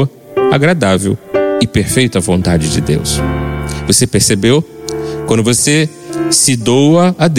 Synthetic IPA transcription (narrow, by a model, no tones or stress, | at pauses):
ɐ | aɡɾad̪avḛwɪpeɾfejt̪ɐvõnt̪ad͡ʒɪd͡ʒɪ̰d̪ḛws | vosepeɾsebew | kwɐ̃nd̪ʊvose | sɪd̪owɐad̪